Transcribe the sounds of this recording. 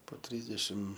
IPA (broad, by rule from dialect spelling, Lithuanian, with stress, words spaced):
poː ˈtʲrʲiːzʲdʲɛʃʲɪm